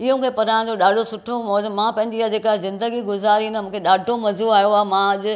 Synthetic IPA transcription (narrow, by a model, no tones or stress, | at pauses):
ɪɦõkʰepɐɾãːd͡ʑoɗaːɖʱosʊʈʰomɔmãːpɐ̃ɦɪ̃ɲd͡ʑiaːd͡ʑeːkaɦezɪ̃nd̪əɡiɡʊzaːɾinɐmũːkʰeɗaːɖʱomɐzuaːjoaːmãɐʄʊ